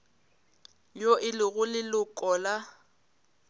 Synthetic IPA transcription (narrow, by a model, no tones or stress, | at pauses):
joɪlɪɣʊlɪlʊkʼɔla